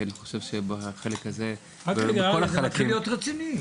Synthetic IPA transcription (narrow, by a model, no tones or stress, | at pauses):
aniχoʃe̞vʃebaχelekhaze | akolaalakimlijot̪ʁet͡sini